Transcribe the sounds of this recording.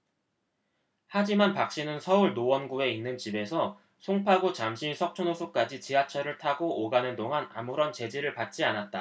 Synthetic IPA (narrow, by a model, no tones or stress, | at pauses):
had͡ʑimanpak̚ɕ͈inɯnsʰʌuɭnowʌnɡue̞inːɯnt͡ɕibe̞sʰʌ | sʰoŋpʰaɡot͡ɕamɕʰisʰʌk̚t͡ɕʰonosʰuk͈ad͡ʑit͡ɕiɦat͡ɕʰʌɾɯɭtʰaɡoʔoɡanɯntoŋana̰muɾʌnt͡ɕe̞d͡ʑiɾɯɭpat̚t͡ɕ͈ianat̚t͈a